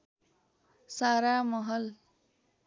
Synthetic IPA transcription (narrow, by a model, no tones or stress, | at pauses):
saɾamʌɦʌl